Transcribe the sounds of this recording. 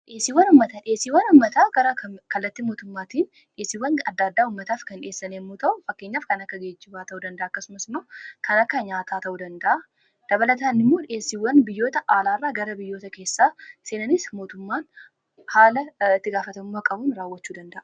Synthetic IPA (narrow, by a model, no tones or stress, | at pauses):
ᶑeːsiwɐnʊmːɐt̪aᶑɪeːsːiwːɐnʊmːɐt̪aːɡ̥ɐɾɐkɐkɐlːɐt̪ːimoːt̪ʊmːaːt̪iːn | ᶑeːsːɪwːɐnɐd̪ːaːd̪ːaːhʊmːɐt̪aːfkɐnᶑɪeːsːɐnemːoːt̪ɐʔʊfɐkːeːɲːaːfkɐnɐkːɐɡeːd͡ʒːɪbaːt̪ɐʔud̪ɐnd̪ɐʔaːɐkːɐsʊmɐsɪmːoːkʰɐnɐkːɐɲaːt̪ʰaːt̪ɐʔuːd̪ɐnd̪ɐʔɐ | d̪̥ɐbɐlɐt̪aːnɪmːo̞ːᶑɪeːsːɪwɐnbɪjːo̞ːt̪ɐʔaːlaːrːaːɡɐɾɐbɪjːo̞ːt̪ɐke̞ːsːaːse̞ːnɐnɪsmo̞ːt̪ʊmːaːn | haːlɐɪt̪ːɪɡaːfɐt̪ɐmʊmːakʼɐbuːnɾaːwːɐt͡ʃːuːd̪ɐnd̪ɐʔɐ